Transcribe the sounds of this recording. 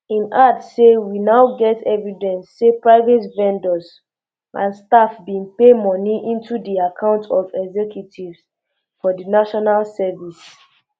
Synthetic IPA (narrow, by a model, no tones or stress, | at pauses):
ĩnatsewinaʊɡɛtɛvidɛ̃nsːepɹaɪvɛtvɛ̃ndɔz | ʔã̰nstafbĩnpemɔniʔĩntʰudiakʰãʊ̃ntʰɔvɛɡzɛkjutʰivz | fɔdənaʃɔnalsɛvis